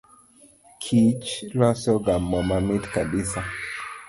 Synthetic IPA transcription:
kʰit͡ʃɾasɔɡamːɔmamitkaɓisa

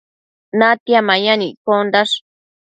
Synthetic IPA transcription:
nat̪jamajanikond̪aʂ

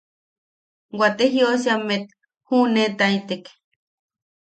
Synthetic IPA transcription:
wat̪eɦjosamːet̪̚ | hunet̪ait̪ek

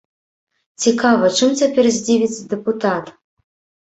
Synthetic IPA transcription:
t͡sʲikavɐt͡ʂɨmt͡sʲapʲɛrzʲd͡zʲivʲit͡sʲd̪ɛput̪at̪

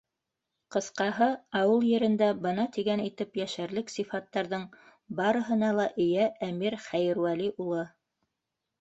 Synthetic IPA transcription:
qɤ̆sqɑɦɤɑwɤlˠjɘ̆ɾɘ̆nd̪æbɤ̆nɑt̪iɡænit̪ɘpjæʃæɾlɘksifɑt̪ːɑɾðɤɴ | bɑɾɤ̆ɦɤ̆n̪ɑlˠɑʔɘ̆jææmiɾχæjɘ̆ɾwæliʔulˠɤ

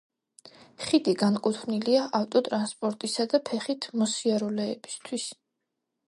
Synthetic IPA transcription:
χid̪iɡankʼut̪ʰvniliaʔaft̪ʼɔt̪ʼɾanspʼɔɾt̪ʼisad̪apʰɛχit̪ʰmɔsiaɾɔlɛːb̥i̥st̪ʰwis

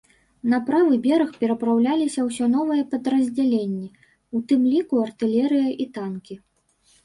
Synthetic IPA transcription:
nɐpɾavɨbʲɛɾɐxpʲɛɾɐpɾawlʲalʲisʲɐwsʲɔnɔvɨjɛpɐd̪ɾɐzʲd͡zʲalʲenʲːɛ | ut̪ɨmlʲikuɐrt̪ɨlʲɛɾɨjɐʔit̪ankʲi

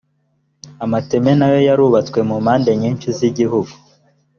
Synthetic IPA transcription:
amate̞me̞najo̞jaɾuːβat͡swe̞mumhaːndeɲiːnʃuziɟiɦuɡu

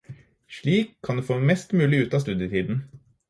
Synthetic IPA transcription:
ʂɭiːkʰːɑnd̪eːfoːmɛst̪mʉːlɪʉːt̪ɑːst̪ʉːd̪jət̪ʰiːd̪n̩

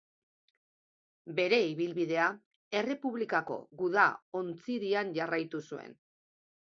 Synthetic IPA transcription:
be̞ɾe̞iβilβiðe̞a | e̞re̞puβlikako̞̰ɣuðao̞nt͡siɾianʝarajt̪usue̞̰n

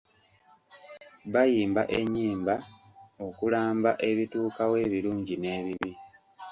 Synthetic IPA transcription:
βajiːmbaʔeɲːiːmba | o̞kulaːmbaʔe̞βituːkawe̞ːβiluːɲɟine̞ːβiβi

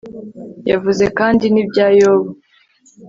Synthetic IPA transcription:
javuze̞kaːndinib̚ɟaːjoːβa

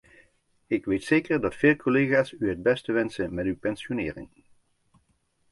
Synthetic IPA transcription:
ɪkʋejtseːkəɹdɑtfeːlˠkʰoleːχaːsyɦəd̚bɛstəʋɛnsənmɛtywpɛnsjonɪːrɪ̰ŋ

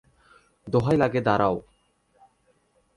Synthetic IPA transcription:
d̪oɦajlaɡed̪aɾaw

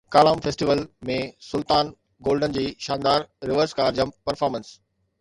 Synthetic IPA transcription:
kaːlaːmfeːsʈiʋəlmẽsʊlt̪aːn | ɡoːlɖənd͡ʑiːʃãːnd̪aːɾːɪʋəɾskaːɾd͡ʑəmpɐɾfɔːɾmə̃ns

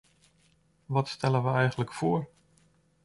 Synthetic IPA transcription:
ʋɑtstɛlənʋəɛjχənləkfʊːɹ

